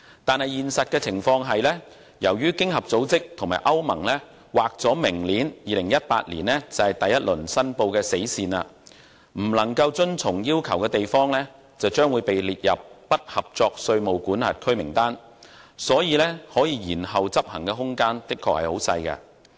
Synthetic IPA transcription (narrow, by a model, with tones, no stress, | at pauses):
t̪aː˨nhɐ˨jiː˨˩nsɐ˨t̚kɛː˧t͡sʰɪ˨˩ŋfɔː˧ŋɦɐ˨jlɛː˥ | jɐ˨˩wjyː˥kɪ˥ŋɦɐ˨p̚t͡so˨˥wt͡sɪ˥k̚t̪ʰʊ˨˩ŋmaː˨jʔɐ˥wmɐ˨˩ŋlɛː˥ | waː˨k̚t͡sɔː˨˥mɪ˨˩ŋliː˨˥njiː˨lɪ˨˩ŋjɐ˥t̚pa̰ː˧t̚liː˨˩nɛː˥t͡sɐ˨hɐ˨jt̪ɐ˨jːɐ˥t̚lɵ˨˩nsɐ˥npo˧wkɛː˧se˨˥jsiː˨na̰ː˧ | m̩˨˩lɐ˨˩ŋkɐ˧wt͡sɵ˥nt͡sʰʊ˨˩ŋjiː˥wkʰɐ˨˩wkɛː˧t̪e˨jfɔː˥ŋlɛː˥ | t͡sɐ˨wt͡ʃœː˥ŋwu˨˧jpe˨jliː˨t̚jɐ˨p̚ːɐ˥t̚hɐ˨p̚t͡sɔː˧k̚sɵ˧ɥmo˨wkuː˨˥nha̰ː˨t̚kʰɵ˥ɥmɪ̰˨˩ŋt̪aː˥n | sɔː˨˥jiː˨˧lɛː˥hɔː˨˥jiː˧jiː˨˩nhɐ˨wt͡sɐ˥p̚hɐ˨˩ŋkɛː˧ɦʊ˥ŋkaː˥nt̪ɪ˥kʰːɔː˨˧khɐ˨jho˨˥wsɐ̰˧jkɐ̰˧